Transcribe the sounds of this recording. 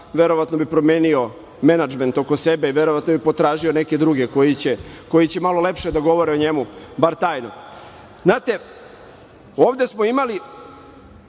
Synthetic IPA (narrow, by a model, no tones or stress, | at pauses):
ʋeɾoʋat̪no̞bipɾomjeːnio̞ | me̞nad͡ʒme̞nt̪o̞ko̞se̞beiʋeɾo̞ʋat̪nobipo̞t̪ɾaːʒio̞ne̞ke̞d̪ɾuɡeko̞jit͡ɕe̞ko̞jit͡ɕe̞malo̞le̞pʃed̪aɡo̞ʋoɾeoɲe̞mubaɾt̪aːjno̞ | znaːt̪e̞ | oːʋd̪e̞smo̞imali